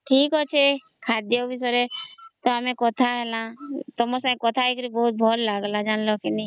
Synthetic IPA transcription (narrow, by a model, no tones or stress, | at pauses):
ʈʰiːkɦɔt͡ʃʰe | kʰaːd̪jobʱisɔɾet̪oamẽkɔt̪ʰaɦɛlãt̪ɔmɔsãkɔt̪ʰaikɾibɔɦut̪̚bʱɔːllaɡlad͡ʒaːnlokini